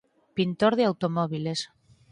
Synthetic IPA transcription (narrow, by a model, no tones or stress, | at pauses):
pint̪oɾðeawt̪omɔβ̞iles